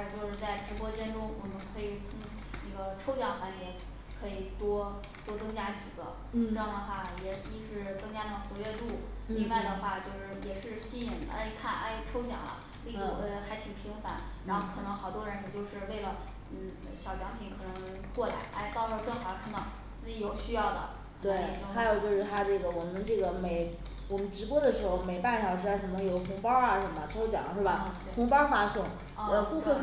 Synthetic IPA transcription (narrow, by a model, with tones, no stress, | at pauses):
t͡ɕjo˥˧ʊʂɻ̩˥˧t͡sa˥˩ɪʈ͡ʂʰɻ̩˧˥pwɔ˥t͡ɕjɛ˥nʈ͡ʂʊ˥ŋwɔ˨˩mə˧˦nkʰɤ˧˥i˨˩t͡sʰʊ˧˥ŋ | nə˥˩ɡə˧ʈ͡ʂʰo˥ʊt͡ɕjɑ˨˥˩ŋxwa˧˥nt͡ɕjɛ˥n | kʰɤ˧˥i˨˩t̪wɔ˥ | t̪wɔ˥t͡sɤ˥ŋt͡ɕja˥t͡ɕi˨˩ɡə̰˧˦ | ʈ͡ʂɤ˧jɑ˥˩ŋd̪ə˩xwa˥˩jɛ˨˩i˥ʂɻ̩˥˩t͡sɤ˥ŋt͡ɕja˥nə˧˩ə˧xwɔ˧˥ɥɛ˥˧t̪u˥˩li˥˧ŋwa˥˩ɪd̪ə˩xwa˥˩t͡ɕjo˥˧ʊʂɻ̩˥˩jɛ˨˩ʂɻ̩˥˩ɕi˥i˧˥nə̰˞˧˥˨kʰa˥˩nʔa̰˥˩ɪʈ͡ʂʰo˥ʊt͡ɕjɑ̰˨˩ŋlə̰˧˦ | li˥˧u˥˩˧xa˧˥ɪt̪ʰi˨˩ŋpʰi˧˥ŋfa̰˧˥n | ɻa˧˥nxo˥˩ʊkʰɤ˨˩nɤ˧˥ŋxɑ˨˩ʊt̪wɔ˥ɻə˧˥nɛ˧˩t͡ɕjo˥˧ʊʂɻ̩˥˧we˥˩ɪlə˩ | n̩˥˩ɕjɑ˨˩ʊt͡ɕjɑ˧˥ŋpʰi˨˥nkʰɤ˨˩nɤ˧˥ŋ˥ŋŋ | kwɔ˥˩la̰˧˥ɪʔa˥˧ɪt̪ɑ˥˧ʊʈ͡ʂo˥˧ʈ͡ʂɤ˥˩xkʰa˥˩nɑ˥˩ | t͡sɹ̩˥˩t͡ɕi˧˥jo˨˩ʊɕy˥jɑ˥˩ʊd̪ə̰˩ | kʰɤ˨˩t̪we˧˥˩ɪ˥˧˩xʰa˧˥jo˨˩ʊt͡ɕjo˥˧ʊʂɻ̩˥˧˩t̪ʰa˥ʈ͡ʂɤ˥˩ɡə˩wɔ˨˩mə˧˦nʈ͡ʂɤ˥˩ɡə˩me˨˩ɪ | wɔ˨˩mə˦nʈ͡ʂɻ̩˧˥pwɔ˥d̪ə˨ʂɻ̩˧˥xo˥˧ʊme˨˩ɪpa˥˩nɕjɑ˨˩ʊʂɻ̩˥˧a˥˩ʂə˧˥mə˧˩jo˨˩ʊxʊ˧˥ŋpɑ˥a˧˥ʂə˧˩nm˦ə˧ʈ͡ʂʰo˥ʊt͡ɕjɑ̰˨˩˦ŋʂɻ̩˥˩bɐ˩˧ | xʊ˧˥ŋpɑ˥fa˥sɤ˥˩ŋ˥˧ | pu˥˧fə˥˩